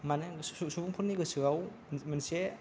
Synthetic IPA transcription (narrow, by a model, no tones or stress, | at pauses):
manusubuŋpʰunnːiɡɯsɯaw | manse